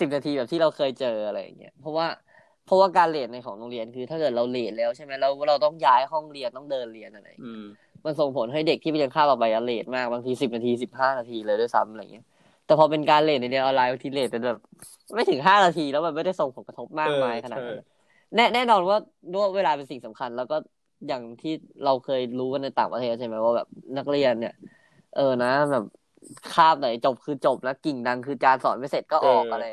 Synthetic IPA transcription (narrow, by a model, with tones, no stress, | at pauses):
si˨˩p̚naː˧t̪ʰiː˧bɛː˨˩p̚t̪ʰiː˥˩ɾa˧wkʰɤː˧jt͡ɕɤː˧ʔa˧ɾa˧jːa̰˨˩ŋːi˦˥ɐpʰɔ˦˥waː˥˩ | pʰɔ˦˥waː˥˩kaː˧nle˨˩t̪̚na˧jkʰɔː˩˦ŋloː˧ŋli˧ənkʰɯː˧t̪ʰaː˥˩kɤː˨˩t̪̚ɾa˧wleː˨˩t̪̚lɛː˦˥wt͡ɕʰa˥˩jma˦˥jɾa˧wɾa˧wt̪ɔ˥˩ŋjaː˦˥jɦɔ˥˩ŋli˧ənt̪ɔ˥˩ŋdɤː˧nli˧ənʔa˧nʔa̰˧˩j | ma˧nso˨˩ŋpʰo˩˦nɦa˥˩jde˨˩k̚t̪ʰiː˥˩pe˧ja˧kʰaː˥˩ʔɔː˨˩pa˧jla˧˩leː˨˩t̪̚maː˥˩k̚baː˧t̪ʰiː˧si˨˩p̚naː˧t̪ʰiː˧si˨˩p̚haː˥˩naː˧t̪ʰiː˧lɤː˧jdu˥˩jsa̰˦˥mʔj̰ŋːi˦˥ | t̪ɛː˨˩pʰɔ˧˥p̬e˧nkaː˧nleː˨˩t̪̚na˧li˧ʔɔː˧nlaː˧jwa˧t̪ʰiː˧leː˨˩t̪̚pe˧nbɛː˨˩p̚ | ma˥˩jt̪ʰɯ˨˩˦ŋɦaː˥˩naː˧t̪ʰiː˧lɛː˦˥bɛː˨˩p̚ma˥˩jda˥˩jso˨˩ŋpʰo˨˦nka˧t̪ʰo˦˥p̚maː˥˩k̚maː˧jkʰa˧˩na˨˩na˧˩˧na˧˥ | nɛː˦˥˩nɛː˥˨nɔː˧nwaː˥˩ | du˦˥˩weː˧laː˧p̬e˧nsi˨˩ŋsa˩˦mkʰa˧nlɛː˦˥wkɔː˥˩ | jaː˨˩ŋt̪ʰiː˥˩ɾa˧wkʰɤː˧jɾuː˦˥ka˧nːa˧jt̪aː˨˩ŋpa˧t̪ʰeː˥˩t̪̚ʰa˥˩ma˦˥waː˥˩ɛ̰ː˨˩p̚na˦˥k̚li˧ənːi˥˩ɐ | ʔɤː˧na˦˥bɛː˨˩p̚ | kʰaː˥˩p̚na˩˦jt͡ɕo˨˩p̚kʰɯː˧t͡ɕo˨˩p̚na˦˥ki˨˩ŋda˧ŋkʰɯː˧t͡ɕaː˧nsɔ̰ː˩˦nma˥˩jse˨˩t̪̚kɔː˥˩ʔɔː˨˩ʔa˧ɾa˧j